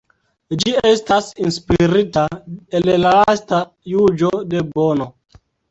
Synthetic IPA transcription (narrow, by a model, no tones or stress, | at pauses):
d͡ʒiestasinspiɾitaellalasta | jud͡ʒo̞de̞bono